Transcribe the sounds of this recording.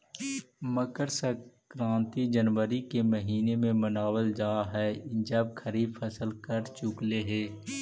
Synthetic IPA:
məkəɾsəkɾãːnt̪id͡ʒənʋəɾikeməɦiːnemẽmənaːwəld͡ʒaːɦɛːd͡ʒəb̚kʰəɾiːbfʰɐsəlkəɾt͡ʃʊkleɦeː

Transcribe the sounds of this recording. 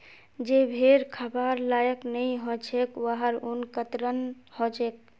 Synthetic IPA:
d͡ʒebʱeɾkʰəbaɾlajəknəiɦot͡ʃʰekwəɦəɾunkət̪ɾənhot͡ʃek̚

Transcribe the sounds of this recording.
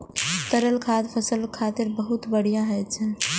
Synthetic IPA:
t̪əɾəlkʰat̪pʰəsəlkʰat̪iɾbəɦut̪bəɽ̤ijãɦəjt̪t͡ʃʰɛ

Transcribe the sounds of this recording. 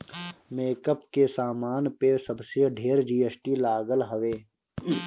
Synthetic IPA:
meːkəpkesaːmaːnpesɐbseɖʱeːɾd͡ʒiːesʈilaːɡəlɦəʋeː

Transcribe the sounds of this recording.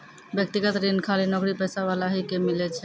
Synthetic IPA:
bjek̚t̪iɡat̪ɾinkʰalinɔɡɾipɛsabalaɦikemilet͡ʃʰɛ

